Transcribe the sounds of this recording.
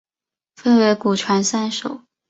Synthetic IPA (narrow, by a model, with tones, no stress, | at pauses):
fə˥˧nwe˧˥ɪku˨˩t͡ɕʰwa˧˥nsa˥˩nʂo̰˨˩˦ʊ